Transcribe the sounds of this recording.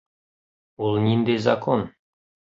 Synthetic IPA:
olˠnʲind̪ezɐkon

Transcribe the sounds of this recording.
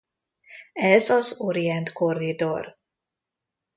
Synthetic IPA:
ɛzɒzoɾiɛnt̪ko̞rid̪or

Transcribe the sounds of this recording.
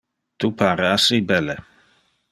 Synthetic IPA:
t̪upʰaːɾeasibɛlːe

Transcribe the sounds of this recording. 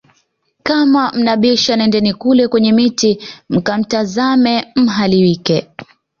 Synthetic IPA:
kamam̩naɓɛʃanɛndɛnikulɛkwɛɲɛmitim̩kam̩tazamɛm̩ɦaliwikɛ

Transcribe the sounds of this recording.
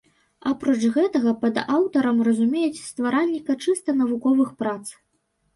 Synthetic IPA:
apɾɔt͡ʂɣɛt̪ɐɣɐpɐd̪awt̪ɐɾɐmrɐzumʲejɛt͡sʲst̪vaɾalʲːikɐt͡ʂɨst̪ɐnɐvukɔvɨxpɾat̪s

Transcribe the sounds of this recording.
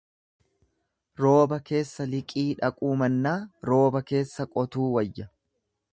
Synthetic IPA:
ɾo̞ːbɐke̞ːsːɐlɪkʼiːᶑɐkʼuːmɐnːaːɾo̞ːbɐke̞ːsːɐkʼɔt̪uːwɐjːɐ

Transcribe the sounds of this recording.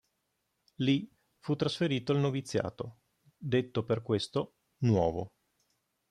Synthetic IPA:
li | fut̪ːɾasfeɾiːt̪oalnovit̪sːja̰ːt̪o | d̪et̪ːoperkwest̪o | nwɔːvo

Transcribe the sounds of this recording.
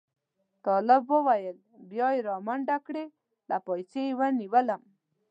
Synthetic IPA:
t̪ɔləbːowajəl | bjɔjɾɑmaɳɖakɽe | lapɔjt͡sejwaniwəlam

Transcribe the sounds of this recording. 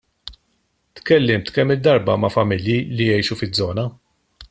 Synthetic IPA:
t̪kɛlːɪmt̪kɛmːɪd̪ːɐɾbɐmɐfɐmɪljilijɛjʃufɪdd͡zːɔːnɐ

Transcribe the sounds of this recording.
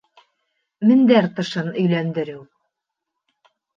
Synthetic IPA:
mɘ̆nd̪æɾt̪ɤ̆ʃɤnɵ̆jlænd̪ɘ̆ɾɘw

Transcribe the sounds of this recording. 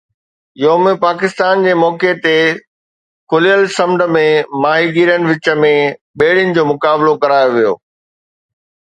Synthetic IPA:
jomẽpaːkɪst̪aːnd͡ʑeːmɔːket̪e | kʊlijəlsɐ̃mɖ̪ʱə̆mẽmaːɦiɡiɾənɪ̆ʋɪt͡ɕə̆mẽɓeːɽ̤ɪənɪ̆d͡ʑoːmʊkaːblokɐɾaːjoʋijo̰ː

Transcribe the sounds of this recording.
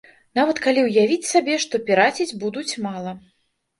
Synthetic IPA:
navɐt̪kalʲiwjavʲit͡sʲsabʲɛʂt̪ɔpʲiɾat͡sʲid͡zʲbud̪ut͡sʲmalˠɐ

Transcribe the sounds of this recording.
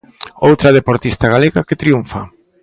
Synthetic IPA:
owt̪ɾɐð̞epoɾt̪ist̪aɣaleɣaket̪ɾiuɱfa

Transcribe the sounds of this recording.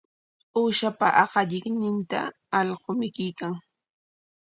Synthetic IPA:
uːʃapa̰ʔɑqɑʎɪknɪnt̪a̰ː | ʎɢomɪkɪjkaŋ

